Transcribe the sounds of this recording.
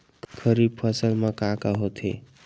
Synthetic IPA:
kʰʌɾib̚pʰʌsəlmakãkaɦot̪ʰḛ

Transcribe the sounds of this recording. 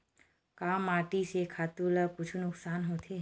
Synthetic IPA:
kamaʈisekʰat̪uləkut͡ʃʰunʊksanɦot̪ʰe

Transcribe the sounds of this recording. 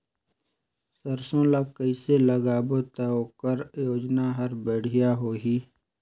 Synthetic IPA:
səɾsõːlakəiseləɡaːbot̪əoːkəɾjoːd͡ʒnaɦɐɾbəɽ̤ʱɪjaɦoːɦiː

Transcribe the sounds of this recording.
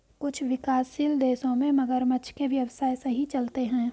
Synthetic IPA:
kʊt͡ʃʰʋɪkaːsild̪eːsõmẽmɐɡəɾmət͡ʃʰkeʋjɐʋəsaːjsɐɦit͡ʃɐlt̪eɦɛ̃ː

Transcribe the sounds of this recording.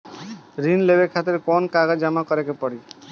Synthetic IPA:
ɾinlebekʰat̪eɾkɔnkaɡad͡ʒamakɔɾekepɔɽi

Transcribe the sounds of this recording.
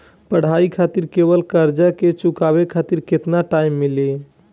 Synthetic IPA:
pəɽ̤aikʰat̪iɾkebəlkəɾd͡ʒaket͡ʃukabekʰat̪iɾket̪naʈaimːili

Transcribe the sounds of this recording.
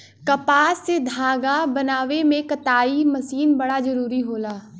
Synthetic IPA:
kɐpaːsːed̪ʱaːɡabɐnaːʋemẽkɐt̪aːimɐsiːnbɐɽazɐɾuːɾiɦoːlaː

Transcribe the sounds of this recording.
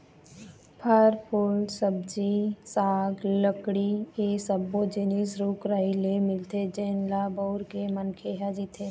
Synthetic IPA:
pʰəɾpʰʊlsəb̚d͡ʒisaːɡləkɽiesəbːod͡ʒenisɾuːkɾailemɪlt̪ed͡ʒɛːnlabɔʊɾkemənkʰeɦad͡ʒit̪ʰeː

